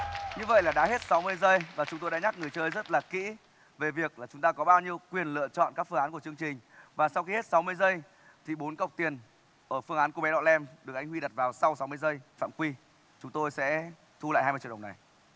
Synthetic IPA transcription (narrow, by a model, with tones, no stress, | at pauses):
ɲɨ˧və̰˧˨jlaː˨˩ɗa̰˧˥ɦe˦˥t̚sa˨˦wmɨ˧əjzə˧jvaː˨˩t͡ɕʊ˨˦ŋ͡mt̪o˧jɗaː˧˥ɲa˦˥k̚ŋɨ˨˩əjt͡ɕəː˧jzə˦˥t̚laː˨˩kḭ˧˥ | ve˨˩vi˨˩ək̚laː˨˩t͡ɕʊ˨˦ŋ͡mt̪aː˧kɔ˨˦ɓaː˧wɲi˧əwkwi˨˩ənlɨ̰˧˨ət͡ɕɔ̰˧˨nkaː˦˥k̚fɨ˧ŋaː˨˦nku˧˩ət͡ɕɨ˧əŋt͡ɕï˨˩ŋ̟vaː˨˩sa˧wxi˧he˦˥t̚sa˨˦wmɨ˧əjzə˧j | t̪ʰi˨˩ɓo˨˦nkə˨˩wk͡p̚t̪i˨˩ən | ʔəː˧˩fɨ˧əŋʔaː˨˦nkə˨ɓɛ˨˦ɗɔ̰˧˨lɛ˧mɗɨ˨˩ək̚ʔjŋ̟hwi˧ɗə˨˩t̚vaː˨˩wsa˧wsa˨˦wmɨ˧əjzə˧jfa̰ː˧˨mkwi˧ | t͡ɕʊ˨˦ŋ͡mt̪o˧jsɛ̰˧˥ | t̪ʰu˧la̰ː˧˨ja˧jm˧t͡ɕḭ˧˨ə˨˩˨na˨˩j